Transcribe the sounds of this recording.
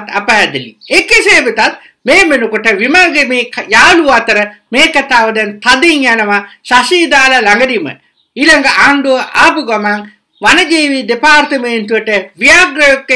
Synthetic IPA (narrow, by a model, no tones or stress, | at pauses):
t̪apəɦæd̪ilḭekiseːbet̪at̪̚ | meːmenukuʈəʋimaɡemeːkjaːluat̪əɾəmeːkat̪aːʋəd̪ənt̪ad̪iŋjænəʋasasiːd̪aːlalaŋɡəd̪imə̰ | iːlaŋɡəʔaːɳɖuʋəʔaːpuɡamaŋ | ʋanɐd͡ʒiːʋid̪epaːɾt̪əment̪uʋəʈəʋijaːɡɾɐjokː